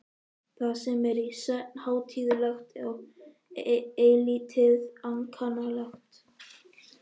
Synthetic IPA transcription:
θaðsɛmɛɾisœt̪̚nhaːwt̪ʰiːðʏlaxt̪a | eːlit̪ʰɪðaŋkʰanalaxt̪

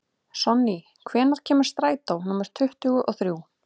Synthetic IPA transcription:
sɔnːi | kʰvɛːnaɾ̥cʰɛːmaɾ̥st̪ɾaːjt̪awnʊmɛɾ̥t̪ʰʏht̪ʏɣʏʔɔθɾjuw

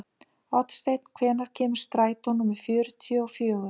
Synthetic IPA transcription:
ɔt̪st̪ejt̪̚n̥kʰvɛːnaɾ̥cʰɛːmʏ̥st̪ɾaːjt̪ɔnːʊmɪ̥fjʏːɾʏt̪ʰijɔɔfjœːɣʏ

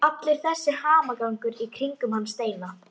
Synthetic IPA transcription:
at̪lɪɾ̥θɛsːɪhaːmakawŋkʏɾikʰɾiŋkʏmhanːst̪eːjna

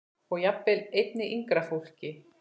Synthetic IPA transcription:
ɔɣjapːɪlejt̪nɪʔiŋkɾafowl̥cɪ

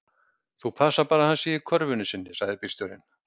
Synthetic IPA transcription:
θupʰaːsapaːɾahansɪikʰœɾvʏnʏsɪnːɪsaɣðɪpi̥st̪œɾɪ̰n

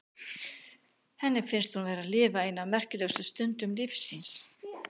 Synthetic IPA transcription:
hɛnːɪmfɪnst̪hunvɛːɾaðlɪːvaɪnavmɛr̥cɪlœwsʏst̪ʏnt̪ʏmlifsins

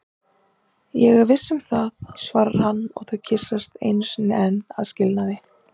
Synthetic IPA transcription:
jɛɣɾvɪsːɛmθaðsvaːɾaɾ̥hanːɔ̰ɣθaðcʰɪsːast̪ḛjnsʏnːɪɛnːa̰ðscɪlnaðɪ

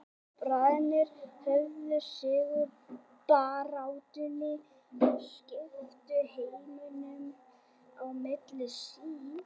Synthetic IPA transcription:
pɾaːðnɪɾ̥fœvlʏɾ̥sɪːɣʏɾ | paːɾawt̪ʏnːɪ | ɪscɪt̪ʏhejnɪnʏm | awmɪt̪lɪsiː

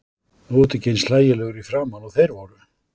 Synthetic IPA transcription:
oːt̪ʏcejnslaːjɪlɛɣʏɾifɾaːmanɔɣθejɾvɔɾʏ

